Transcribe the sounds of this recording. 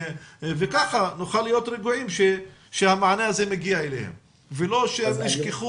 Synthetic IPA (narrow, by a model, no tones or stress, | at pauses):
vekaχanuχalːijo̞t̪ɾeɡuʕimʃeʃehamaʕanehazemeɡiaelḛhḛm | velo̞ʃeemniʃkeχu